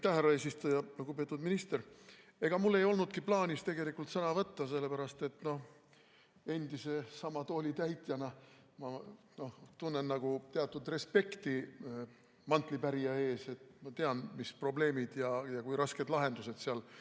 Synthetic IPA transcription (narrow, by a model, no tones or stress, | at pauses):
ɑjt̪ːæhɦærːɑe̞ːsist̪ujɑluɡupe̞t̪ud̪minist̪eɾ | e̞ɡ̥ɑmulːe̞jo̞lnud̪̥kiplɑːnʲist̪e̞ɡe̞likːˑult̪sɤnɑvɤt̪ːɑse̞lːepæɾɑst̪e̞t̪no̞h | e̞nd̪̥ise̞sɑmɑt̪oːlʲit̪æjt̪ˑjɑnɑ | mɑ | no̞ht̪unːe̞nːɑɡ̥ut̪eɑt̪ːˑud̪re̞spe̞kt̪i | mɑnt̪ˑlipæɾijɑe̞ːse̞t̪mɑt̪e̞ɑnmispro̞ble̞ːmid̪̥jɑjɑkujɾɑske̞d̪̥lɑɦe̞nd̪use̞d̪̥seɑl